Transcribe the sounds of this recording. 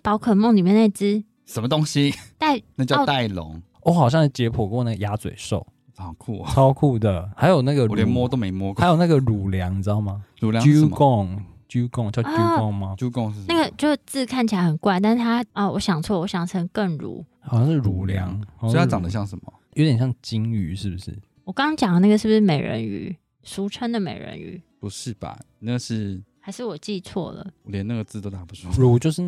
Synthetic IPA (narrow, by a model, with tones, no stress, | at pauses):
pɑ˨˥ʊkʰɤ˨˩mo˥˨ŋli˨˩mjɛ˥˧ne˥˩t͡sɹ̩˥ | ʂə˨˦mə˧t̪o˥ŋɕi˦t̪a˥˩ɪna˥˧t͡ɕjɑ˥˧˥t̪a˥˩ɪlo̰˨˦ŋ | wɔ˧˦xɑ˨˩ʊɕjɑ˥˧ŋʂ̩˥˩t͡ɕjɛ˧˥pʰɔ˨˩kwɔ˥˧na˥˩ɡə˨˩ja˦t͡swḛ˨˩ɪʂo˥˨˩ʊ | ɑ˨˩kʰṵ˥˩˨t͡sʰɑ˥ʊkʰu˥˧d̪ə˩ha˧˥ɪjo˨˩ʊna˥˩ɡə˨ɛ˧˨˦nmwɔ˥t̪o˥ʊme˧˥ɪmwɔ˥˦kʰa˧˥jo˨˩na˥˩ɡə˨ɻu˨˩ljɑ˧˦ŋ̩˧˥˦a˥˩ma˨˩ɻu˨ljy˦˥˨mkɔ˥˨˩ŋ | t͡ɕu˥kɔ˥˨ŋt͡ɕjɑ˥˧u˦kɔ˥˨ŋma˨t͡ɕu˥˦kɔ˥˨ŋ̩˥˧na˥˩ɡə˩t͡ɕjo˥˧ʊʂt͡sɹ̩˥˧kʰa˥˩nt͡ɕʰi˨la˧ɪhə˨˩nkwa˥˧ɪt̪a˥˧n̩˥˩t̪ʰa˥ɐ˩wɔ˧˦ɕjɑ˨˩ŋt͡sʰwɔ˥˩wɔ˧˦ɕjɑ˨˩ŋt͡sʰə˧˥ŋkə˥˩ŋɻṵ˨˦hɕjɑ˥˧ŋʂɻ̩˥˩ɻu˨˩˦ljɑ̰˧˦ŋ˨˩ɑ̃˥˧jɑ˨ŋd̪ə˨˦ɕjɑ˥˩ŋʂə˧˦nmɐ̰˨jo˧˦t̪jɛ˨˩nɕjɑ˥˩ŋt͡ɕi˦˥ŋy˧˦ʂɻ̩˥˩bu˨˩ʂɻ̩̰˥˩ | wɔ˨˩kɑ˥t͡ɕjɑ˨˩ŋə˦na˥˩ɡə˩ʂɻ̩˥˩bu˩ʂɻ̩˥˩me˨˩ɪɻə̰˧˦ny̰˨˩ | su˧˥ʈ͡ʂʰə˥nd̪ə˨mḛ˨˩ɪɻə̰˧˥ny̰˨˩˦pu˨˦ʂɻ̩˥˩ba̰˨˩ | na˥˩ɡə˨˩ʂɻ̩˥˧xa˧˥ɪʂɻ̩˥˩wɔ˨˩t͡ɕi˥˧t͡sʰwɔ̰˥˩lə̰˩wɔ˨ljɛ˧˦na˥˩ɡə˩t͡sɹ̩˥˧t̪o˥t̪a˨˩pu˨˧˩sʰwɔ˥ɻu˨˩t͡ɕjo˥˧ʂɻ̩˥˨